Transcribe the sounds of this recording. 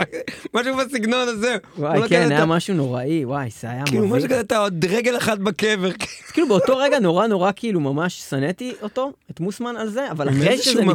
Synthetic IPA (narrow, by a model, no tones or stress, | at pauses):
maʃubasiɡnonazewajkenajamaʃuno̞ʁaiwajz̥eajamilumaʃukaat̪aod̪ʁeɡelaχat̪̚bakeveʁkekilubeoto̞ʁeɡano̞ʁano̞ʁakiilumamaʃsanetiʔo̞to̞et̪musmanalze̞avalaʁeʃezze